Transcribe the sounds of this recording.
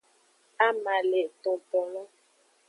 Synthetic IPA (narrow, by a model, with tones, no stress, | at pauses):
a˦ma˨le˨t̪ɔ˨pɔ˨lɔ˦